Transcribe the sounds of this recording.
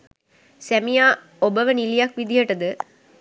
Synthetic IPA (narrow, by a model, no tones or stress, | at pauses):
sæmijaː | obəʋənilijakʋid̪ijəʈəd̪ə